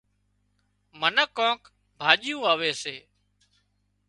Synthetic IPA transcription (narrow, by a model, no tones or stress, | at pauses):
mənəkõːk | bʱaːʄjũːaːʋeːseː